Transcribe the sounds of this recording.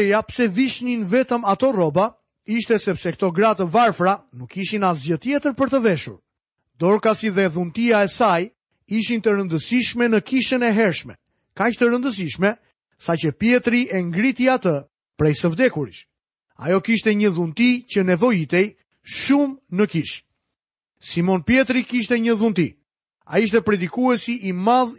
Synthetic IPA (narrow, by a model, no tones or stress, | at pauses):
ɛjapsɛviʃninvɛt̪əmat̪ɔrɔba | iʃt̪ɛsɛpsɛkt̪ɔɡɾat̪əvaɾfɾanukːiʃinazjət̪jɛt̪əɾpəɾt̪əvɛʃṵɾ | d̪ɔɾkasiðɛðunt̪iaɛsaj | iʃint̪əɾənd̪əsiʃmɛnəkiʃənɛɦɛɾʃmɛ | kaʃt̪əɾənd̪əs̬iʃmɛ | sacəpjɛt̪ɾiʔɛŋɡɾit̪iat̪ə | pɾɛjsəvd̪ɛkuɾḭʃ | a̰jɔkiʃt̪ɛɲəðunt̪icənɛvɔit̪ɛj | ʃumnəkiʃ | simɔnpjɛt̪ɾikiʃ̬t̪ɛɲəðunt̪ḭ | a̰iʃ̬t̪ɛpɾɛd̪ikuɛsiʔimað